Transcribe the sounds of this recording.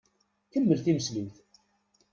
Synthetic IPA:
kəmːəlθiməslimθ

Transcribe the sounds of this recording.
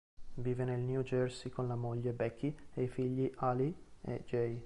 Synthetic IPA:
viːvenelnjud͡ʒɛrsikonlamoʎːebɛkʰːieifiʎːiʔaliḛd͡ʒɛj

